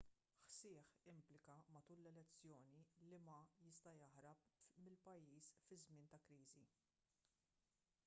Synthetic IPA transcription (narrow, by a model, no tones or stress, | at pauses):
ħsɪːħɪmplɪkɐmɐt̪uːlːɛlɛt͡sːjɔːnilimɐjɪst̪ɐjɐħɾɐpmɪlpɐjːiːsfɪzmɪːnt̪ɐkɾiːzi